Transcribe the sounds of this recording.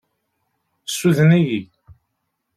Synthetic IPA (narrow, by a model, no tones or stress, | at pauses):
sːuðənæji